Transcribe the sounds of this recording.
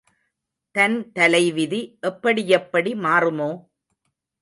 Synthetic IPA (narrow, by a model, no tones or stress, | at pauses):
t̪ɐnt̪ɐlɐɪʋɪðiʔɛpːɐɽijɛpːɐɽimaːrɯmoː